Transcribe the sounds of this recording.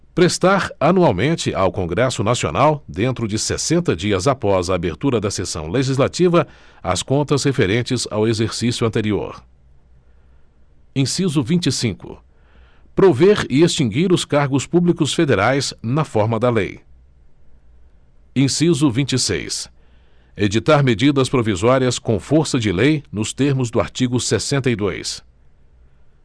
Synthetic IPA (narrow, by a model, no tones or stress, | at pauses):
pɾest̪aɾɐnuawmẽnt͡ʃɪʔa̰wkõŋɡɾɛsʊnasio̰nawd̪ẽnt̪ɾʊd͡ʒɪsḛsẽnt̪ɐd͡ʒiɐzapɔzaːbeɾt̪uɾɐd̪ɐsesɐ̰̃w̃leʒizlat͡ʃivɐɐ̰skõnt̪ɐshefeɾẽnt͡ʃɪza̰wezeɾsisjʊɐ̃nt̪eɾio̰ɾ | ẽsizʊvĩt͡ʃisĩkʊ̰ | pɾoveɾɪest͡ʃĩŋɡiɾʊskaɾɡʊspublikʊsfed̪eɾajsnɐfɔɾmɐd̪ɐlḛj | ẽsizʊvĩnt͡ʃisḛjs | ed͡ʒit̪aɾmed͡ʒid̪ɐspɾovizɔɾiɐskõfoɾsɐd͡ʒɪlejnʊst̪eɾmʊzd̪ʊa̰ɾt͡ʃiɡʊsesẽnt̪ɐid̪o̰js